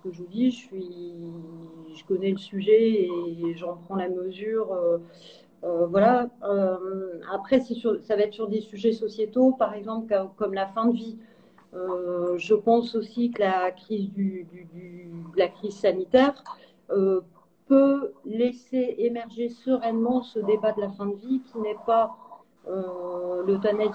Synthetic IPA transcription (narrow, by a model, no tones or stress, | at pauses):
kəʒəvud̪iʒəsɥi | ʒəkɔnɛləsyʒɛeʒɑ̃pχɑ̃laməzyʁøː | vwalaømapχɛsɛsyʁsavaɛt̪χsyʁd̪esyʒɛsɔsjet̪opaʁɛɡzɑ̃plkkɔmlafɛ̃d̪əvi | øʒəpɑ̃sosikəlakχizd̪yd̪yd̪yd̪əlakχizsanit̪ɛʁ | ø | pøleseemɛʁʒesəʁɛnmɑ̃səd̪ebad̪əlafɛ̃d̪əvikʲʰinɛpa | ølət̪wanɛ